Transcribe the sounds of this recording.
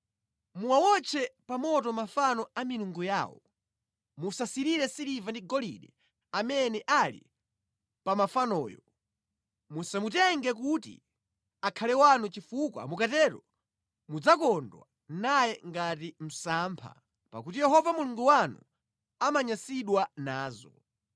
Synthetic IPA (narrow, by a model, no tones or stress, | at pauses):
muwawɔt͡ʃʰɛpamɔtɔmafanɔamiluŋɡuja̰wɔ̰ | musasiɾiɾɛsiɾivandiɡɔlḭɗɛ | amɛnɛʔalḭ | pamafanɔ̰ːjɔ | musamutɛŋɡɛk̬utḭ | akʰalɛwanut͡ʃifukwa̰mukatɛɾɔ | mud͡zakɔndwa | najɛŋɡatim̩saːmpʰa̰ | pa̰kut̬ijɛɦɔvamuluŋɡuwanṵ | amaɲasiɗwanaːzɔ